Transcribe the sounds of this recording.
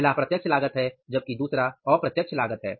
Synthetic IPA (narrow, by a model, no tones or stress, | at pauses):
lapɾɐt̪jəkt͡ʃʰlaːɡət̪ɦɛd͡ʒɐb̚kid̪uːsɾaɔːɾpɾɐt̪jəkt͡ʃʰlaːɡət̪ɦɛ̰ː